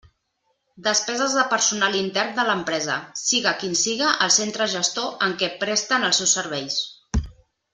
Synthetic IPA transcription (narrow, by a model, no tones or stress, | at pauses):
d̪əspɛzəzðəpəɾsunalint̪ɛɾnd̪ələmpɾɛzə̰siɣəkinsiɣəʔəlˠsent̪ɾəʒəst̪oʔəŋkɛpɾɛst̪ənəlˠsewsːəɾβ̞ɛjs